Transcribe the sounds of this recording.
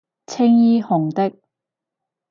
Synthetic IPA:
t͡sʰɪ˥ŋjiː˥hʊ˨˩ŋt̪ɪ˥k̚

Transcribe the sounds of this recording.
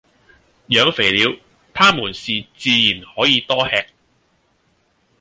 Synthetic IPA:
jœː˨˧ŋfe˨˩jliː˨˧w | t̪ʰaː˥muː˨˩nsiː˨t͡siː˨˧jiː˨˩nhɔː˨˥jiː˨˧t̪ɔː˥hɛː˧k̚

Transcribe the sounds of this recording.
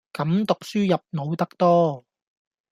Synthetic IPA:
kɐ˨˥mt̪ʊ˨k̚syː˥jɐ˨p̚no˨˧wt̪ɐ˥k̚t̪ɔː˥

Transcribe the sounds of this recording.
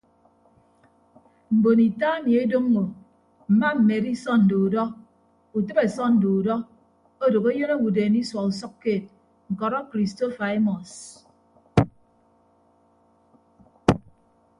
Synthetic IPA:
m̩˨bo˨ni˨ta˦e˦mje˦do˦m˦ŋo˨ | m̩˨ma˦m̩˨me˨ɾi˦sɔ˦n̩˨do˨u˨dɔ˦ | u˨tɨ˦be˨sɔ˦n̩˨do˨u˨dɔ˦ | o˦do˨ke˦jo˦ne˦wu˨deː˨ni˦swɔ˨u˨sɔ˦kːeː˦˨t̚ | ŋ̩˨kɔ˨ɾɔ˦kɾi˨sto˦fa˨i˦mɔ˨s

